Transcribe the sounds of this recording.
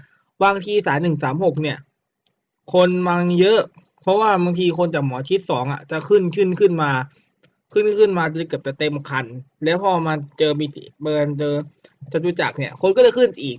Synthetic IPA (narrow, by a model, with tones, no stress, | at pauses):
baː˧ŋt̪ʰiː˧saː˩˦nːɯ˨˩ŋsaː˩˦mho˨˩k̚ni˧˥˩ɐ | kʰo˧nma˧ŋjɤ˦˥ʔ | pʰɔ˦˥waː˥˩baː˧ŋt̪ʰiː˧kʰo˧nt͡ɕaː˨˩k̚mɔː˩˦t̪ʰi˦˥t̪̚sɔː˩˦ŋʔa̰˨˩t͡ɕa˨˩kʰɯ˥˩nkʰɯ˥˩nkʰɯ˥˩nmaː˧ | kʰɯ˥˩nkʰɯ˥˩nmaː˧t͡ɕɤ˧ka˨˩p̚t͡ɕa˨˩t̪e˧m˨˩kʰa˧nlɛː˦˥wpʰɔː˧maː˧t͡ɕɤː˧miː˧t̪ḭ˨˦bɤː˧nt͡ɕɤː˧ | t͡ɕa˨˧t͡ɕuː˧˩t͡ɕa˨˩k̚ni˥˩ɐkʰo˧nkɔː˥˩a˨˩kʰɯ˥˩nsʔiː˨˩k̚